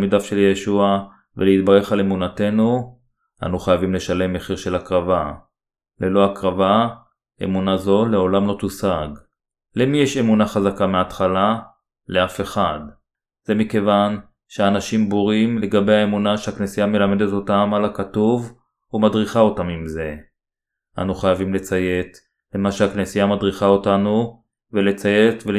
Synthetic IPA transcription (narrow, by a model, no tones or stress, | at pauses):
midafʃe̞ljeʃua | veleit̪̚baʁe̞χalemunate̞nu | na̰nuχajavimle̞ʃale̞mːeχiʁʃe̞lakʁava | lelo̞akʁava | ḛmunazo̞leo̞lamlo̞t̪usaɡ | lemijeʃe̞munaχazakameat̪χala | leafe̞χad | z̥e̞mike̞van | ʃeanaʃimboʁimle̞ɡabejhaemunaʃehaknesijame̞lame̞de̞to̞tamalakatuv | humadʁiχao̞tamimze̞ | ʔa̰nuχajavimle̞t͡saje̞t̪ | le̞maʃeaknesijamadʁiχao̞tanu | vele̞t͡saje̞t̪ve